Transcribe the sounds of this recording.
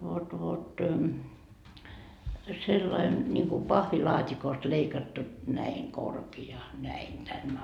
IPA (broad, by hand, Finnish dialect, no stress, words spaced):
ʋot ʋot selːɑin nʲiŋku pɑhʋilɑːtʲikost leikɑtːu næiŋ korkiɑ næin tænː